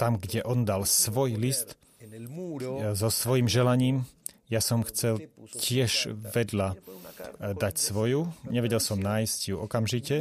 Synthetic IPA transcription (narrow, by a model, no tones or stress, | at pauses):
t̪amɡɟɛʔɔnd̪alsʋɔjlist̪ | zɔsʋɔjimʒɛlaɲiːmjasɔmxt͡sɛlcɪɛʃʋɛd̪ʎa | d̪acsʋɔjuɲɛʋɛɟɛlsɔmnaːjscjuɔkamʒicɛ